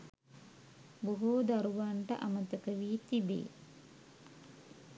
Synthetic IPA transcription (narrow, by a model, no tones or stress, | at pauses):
boɦud̪aɾuʋaɳʈəʔamət̪əkəʋiːt̪ibḛː